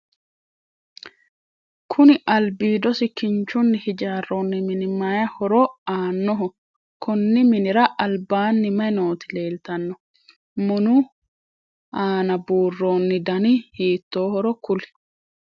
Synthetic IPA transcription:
kʰʊnɪʔɐlbiːd̪ɔsɪkɪnt͡ʃːʊnːɪhɪd͡ʒaːrːoːnːɪmɪnɪmajɐhɔɾɔaːnːɔɦʊ | kʰʊnːɪmɪnɪɾɐʔɐlbaːnːɪmɐjnoːt̪ɪle̞ːlt̪ɐnːɔ | mʊnʊ | aːnɐbuːrːoːnːɪd̪ɐnɪhiːt̪ːoːhɔɾɔkʊl

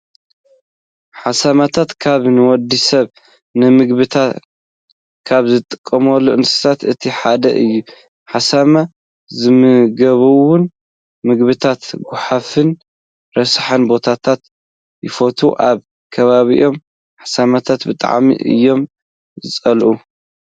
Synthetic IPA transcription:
ħasamat̪ʰat̪kʰaβnɨwɔd̪isɐβ | nɨmɨɡβɨt̪ʰa | kʰaβzɨt̪ʼɨkʼːɐmɐlːuʔɨnsɨ̥sʰat̪ɨt̪ʰiħad̪ɐ̰ʔɨjːu | ħasama | zɨmɨɡɐβuwʊn | mɨɡβɨt̪ʰat̪ɡʊħafɨn | ɾɐsħɐnbo̞t̪ʰat̪ʰat̪ | jɪfot̪ʰuʔaβ | kʰɐβaβḭʔo̞m | ħasamat̪ʰat̪bɨt̪ʼa̰ʕmḭʔɨ̰jːo̞m | zɨt͡sʼɐlʔu

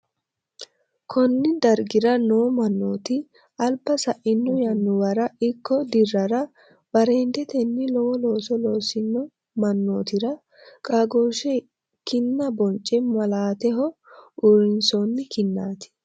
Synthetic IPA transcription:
kʰɔnːɪd̪ɐɾɡɪɾɐnoːmɐnːo̰ːt̪ɪ | ʔɐlbːɐsɐʔɪnːɔjɐnːʊwɐɾɐɪkːɔd̪ɪrːɐɾɐ | bɐɾeːnd̪ɛt̪ɛnːɪlɔwɔlo̞ːsɔlo̞ːsɪnːɔ | mɐnːoːt̪ɪɾɐ | kʼaɡoːʃɛ | kɪnːɐbɔnt͡ʃʼːɛmɐlaːt̪ɛɦɔʊɾɪnsonːɪkɪnːaːt̪ɪ̥

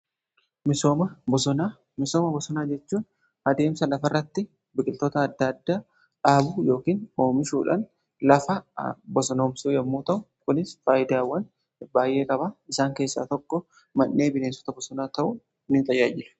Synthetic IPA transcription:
mɪsoːmɐbɔsɔna | mɪsoːmɐbɔsɔnaːd͡ʒɛt͡ʃːuːn | ɐd̪e̞ːmsɐlɐfɐrːɐt̪ːɪ | bɪkʼɪlt̪oːt̪ɐːd̪ːɐd̪ːaː | ᶑaːbujo̞ːkiːno̞ːmɪʃuːᶑɐ̰n | lɐfɐbɔsɔno̞ːmsuːjɛmːuːt̪ɐʔʊ | kʊnɪsfaːjɪd̪aːwːɐn | baːjʔe̞ːkʼɐbaːɪsaːŋke̞ːsːa̰ːt̪ɔkːɔ | mɐnːe̞ːbɪneːsɔ̥t̪ɐbɔsɔnaːt̪ɐʔʊ | nɪt̪ʼɐjːaːd͡ʒɪlɛ̥

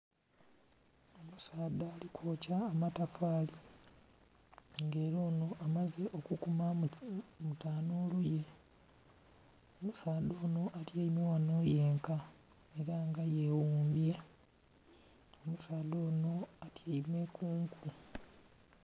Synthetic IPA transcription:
o̞musaːdaːlikʰwoːcaːmatafaːli | ŋɡeːɾoːno̞ʔamaze̞ʔo̞kukuma | mutaːnoːluje̞ | omusaːdo̞ːno̞ʔalieimiwano̞je̞ːŋka | e̞ɾaŋɡaje̞wuːmbje̞ | o̞musaːd̪o̞ːno̞atʰjeime̞kuːŋku

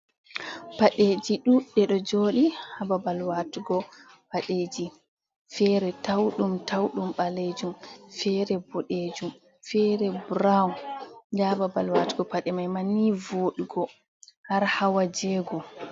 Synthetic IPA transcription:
paɗeːd͡ʒiɗuɗɛɗɔd͡ʒoːɗihababalwatuɡɔ | paɗeːd͡ʒi | fɛɾɛtawɗumtawɗumɓaled͡ʒumfɛɾɛbɔɗed͡ʒum | fɛɾɛbɾawnd͡ʒababalwatɡɔpaɗɛmajmanːivoːɗuɡɔ | haɾhawad͡ʒɛɡɔ

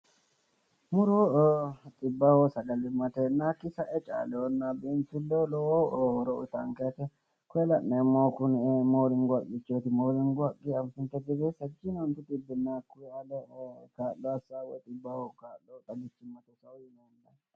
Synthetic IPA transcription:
mʊɾo | t̪ʼɪbːɐhosɐɡɐlɪmːɐt̪ɛnakːɪsɐʔɛt͡ʃʼa̰ːlɛɔnːabint̪ʊlːolɔwoɔɾɔʊt̪ɐŋket̪ɛ | kɔɛlɐʔnɛmːoːkʊnmoːlɪŋɡʊɐkːɪt͡ʃːot̪ɪmoːlɪŋɡʊɐkʼːɪɐɱfɪnt̪ːɛd̪ɪbɛsɐd͡ʒɪnont̪ɪt̪ʼɪbːɪnːakːʊɛɐd̪ɛkaːlːɔɐsawɔt̪ʼɪbːɐhokaːlːot̪ʼɐɡɪt͡ʃːɪmːɐt̪ɛsɐwʊɪnɛnd̪ɐ

